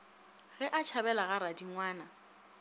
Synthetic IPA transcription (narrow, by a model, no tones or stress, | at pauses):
ɣɛʔat͡ʃʰabɛlaɣaɾadiŋwaːna